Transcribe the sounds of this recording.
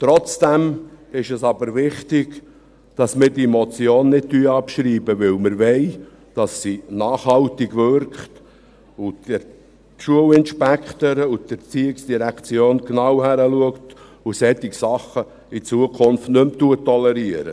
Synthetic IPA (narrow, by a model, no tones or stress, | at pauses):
tɾɔt͡sd̥ɛmɪʃɛsɑbəɾvɪχtɪɡ̥ | d̥ɑsmɪːdimɔt͡sjoːnːɪd̥̚tyːɑpʃɾiːbəvɪlməɾvɛɪ | d̥ɑsːinɑːχhɑlt̪ɪɡvʏɾkχt | ud̥ə | ʃuəlɪnʃpækχt̪əɾəud̥ət͡siːɪksd̥iɾækt͡sjoːnknɑwhæɾəluəkt | usɛtiksɑχə | it͡suəkʰʊnftnɵmt̪uət̪ːɔlɛɾiəɾə̰